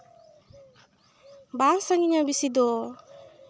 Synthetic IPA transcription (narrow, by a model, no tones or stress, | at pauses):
baŋsaŋiɲabisid̪ɔ